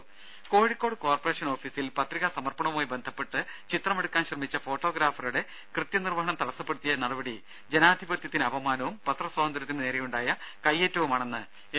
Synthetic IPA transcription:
ko̞ːɻikʲːo̞ːɽɨkoːrpɐre̞ːʂɐno̞ːfiːsilpɐt̪riɣɐsɐmɐrpɐɳɐʋumaːjibe̞nd̪ʱɐpːe̞ʈːɨt͡ɕit̪rɐmeɽukːaːnɕrɐmit͡ɕːɐfo̞ːʈːo̞ːɡɾaːfɐruɽe̞ | krɨt̪jɐnirʋɐɦɐɳɐmt̪ɐɽɐsːɐpːeɽut̪ːijɐnɐɽɐbɐɽi | d͡ʑenaːd̪ʱibɐt̪jɐt̪ːinɨɐbɐmaːnɐʋumpɐt̪rɐswaːɐnd̪ɐɾɐt̪ːinɨne̞ːɾejuɳɖaːjɐkɐjːe̞ːtːɐʋumaːɳe̞nːɨ | e

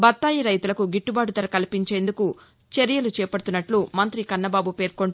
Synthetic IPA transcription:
bɐt̪ːaːjiɾɐjt̪ulɐkuɡiʈːubaːɖut̪ɐɾɐkɐlipiɲt͡ʃe̞ːnd̪uku | t͡ʃeɾijɐlut͡ʃɛːpɐɽut̪unːɐʈlumɐnt̪ɾikɐnːɐbaːbupe̞ːɾko̞ɳ

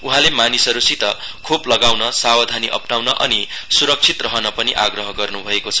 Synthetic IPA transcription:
uɦãlemanisʌɾusit̪ʌkʰoplʌɡawnʌsawad̪ʱaniʔʌ̰pnawnʌʔʌnisuɾʌk̚t͡sʰit̪rʌɦʌnʌpʌniʔaɡrʌɦʌɡʌrnubʱʌekot͡sʰʌ̥

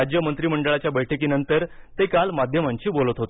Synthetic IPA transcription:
ad͡ʑjəmənt̪ɾiːməɳɖəɭat͡ɕjabəjʈʰəkiːnənt̪əɾt̪ekalmad̪ʱjəmaɲt͡ɕiːbolət̪ɦot̪o

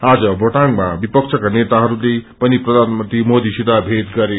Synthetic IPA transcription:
ad͡zʌbʱʌʈaŋmabipʌk̚t͡sʰʌkanet̪aɦʌɾulepʌniprʌd̪ʱanmʌnt̪rimod̪isid̪abʱet̪ɡʌɾe

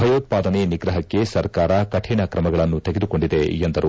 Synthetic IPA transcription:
bʱɐjoːt̪̚paːd̪ɐneniɡɾɐɦɐkːe̞sɐɾkaːɾɐkɐʈʰɛːɳɐkɾɐmɐɡɐɭɐnːut̪eɡed̪uko̞ɳɖid̪e̞end̪ɐɾu

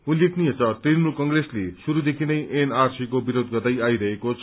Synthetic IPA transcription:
ulːeknijet͡sʰʌt̪rinmulkʌŋɡreslesuɾud̪ekʰinʌjʔenarsikobiɾod̪̚ɡʌd̪ʌjajɾʌɦekot͡sʰ

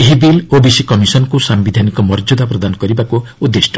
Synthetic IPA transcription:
ɦibilobisikɔmisɔnɔkusambid̪ʱanikɔmɔɾd͡ʒud̪apɾɔd̪anɔkɔɾibakuud̪ːesʈʰɔ

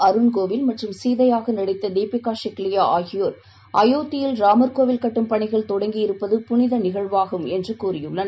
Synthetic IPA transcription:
ɐɾɯnkoːʋɪlmɐʈrɯmsiːðɐjaːɣɐnɐɽɪt̪ːɐd̪eːpɪkaːʂɛkːɪlɪjaːʔaːɣɪjoːɾ | ʔɐjoːt̪ːɪjɪlɾaːmɐɾkoːʋɪlkɐʈːɯmpɐɳɪɣɐɭt̪ɔɽɐŋɡijɪɾɯpːɐðɯpʊnɪðɐnɪɣɐɭʋaːɣɯmɛndrɯkuːrɪjɯɭːɐn

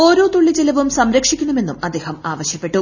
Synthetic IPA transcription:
o̞ːɾo̞ːt̪uɭːit͡ɕelɐʋumsɐmɾɐkʂikʲːuɳume̞nːumɐd̪ːe̞ːhɐmaːʋɐɕjɐpːe̞ʈːu

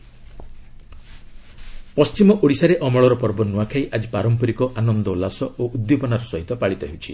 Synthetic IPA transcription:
pɔst͡ʃimɔʔoɽisaɾeʔɔmɔɭɔɾɔpɔɾbɔnuakʰaiʔad͡ʒipaɾɔmpɔɾikɔʔanɔnd̪ɔlasɔoʔud̪jopɔnaɾɔsɔɦit̪ɔpaɭit̪ɔɦewt͡ʃʰi

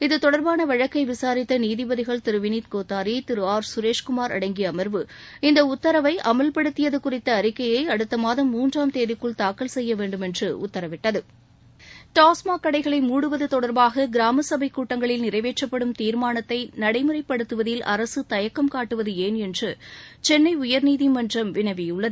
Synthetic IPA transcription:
ɪðɯt̪ɔɽɐɾbaːnɐʋɐɻɐkːɐɪʋɪsaːɾɪt̪ːɐniːðɪbɐðɪɣɐɭt̪ɪɾɯʋɪniːt̪̚koːt̪ːaːɾit̪ɪɾɯaːɾsʊɾeːʂkʊmaːɾɐ̰ɽɐɪŋɡɪjɐːmɐɾʋɯɪnd̪ɐʊt̪ːɐɾɐʋɐɪʔɐmɐlpɐɽɯt̪ːɪjɐðɯkʊrɪt̪ːɐːɾɪkːɐjɐɪɐɽɯt̪ːɐmaːðɐmːuːndraːmt̪eːðɪkːɯɭt̪aːkːɐlsɛjːɐʋeːɳɖɯmɛndrɯʊ̰t̪ːɐɾɐʋɪʈːɐðɯ | ʈ̪aːsmaːkɐɽɐɪɣɐɭɐɪmuːɽɯʋɐðɯt̪ɔɽɐɾbaːɣɐɡɪɾaːmɐsɐbɐɪkːuːʈːɐŋɡɐɭɪlnɪrɐɪʋeːʈrɐpːɐɽɯmt̪iːɾmaːnɐt̪ːɐɪnɐɽɐɪmɯrɐɪpːɐɽɯt̪ːɯʋɐðɪlʔɐ̰ɾɐsɯt̪ɐjɐkːɐmkaːʈːɯʋɐðɯeːnɛndrɯt͡ʃɛnːɐɪʊjɐɾniːðimɐndrɐmʋɪnɐʋɪjɯɭːɐðɯ

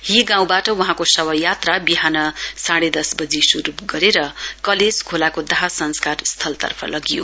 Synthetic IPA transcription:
hiɡãw̃baʈʌwuɦãkosʌbʌjat̪rabiɦanʌsaɽed̪ʌsbʌd͡zisuɾupɡʌɾeɾʌkʌleskʰolakod̪ʌɦasʌnskarst̪ʰʌlt̪ʌ̰rpʰʌ̰lʌɡijo

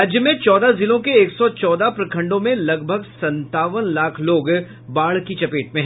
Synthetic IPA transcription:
d͡ʒjəmẽt͡ʃɔːd̪azɪlõkeeːksɔt͡ʃɔːd̪apɾɐkʰɐ̃ɳɖõmẽlɐɡbʱəɡsɐ̃nt̪aːʋənlaːkʰloːɡ | baːɭ̤kit͡ʃɐpeːʈmẽɦ

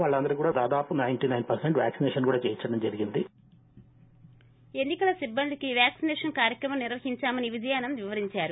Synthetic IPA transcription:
ʋaːɭːɐnd̪ɐɾikuːɽaːd̪aːd̪aːpunɐjɳʈinɐjnpɐɾseɳʈʋja̰ːksinɛːʂɐnkuːɽaːt͡ʃɛːjit͡ʃːɐɽɐmd͡ʒɐɾiɡind̪i | e̞nːikɐlɐsibːɐnd̪ikiʋjaːksinɛːʂɐnkaːɾjɐkɾɐmɐmniɾʋɐɦiɲt͡ʃaːmɐniʋid̪ʱɐjaːnɐmʋiʋɐɾiɲt͡ʃaːɾu

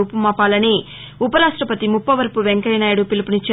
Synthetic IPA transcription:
uːpumaːpaːlɐni | upɐɾaːʂʈɾɐpɐt̪imupːɐʋɐɾpuʋeŋkɐjɐnaːjɐɽupilipunit͡ʃːa

